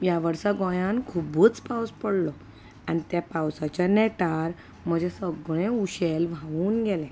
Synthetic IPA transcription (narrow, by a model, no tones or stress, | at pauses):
jaʋəɾsaɡɔ̃jãnkʰubəːt͡spawspəɽlɔ | añit̪japawsat͡ɕjanɛʈaɾ | m̤əd͡ʑʱesəɡɭeuɕelʋ̤aʋuːnɡelɛ̃